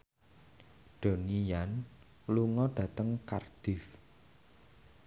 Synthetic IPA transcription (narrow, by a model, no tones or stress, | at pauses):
ɖ̥o̤nijan | luŋɔɖ̥ä̤t̪əŋka̰rd̪̥ɪf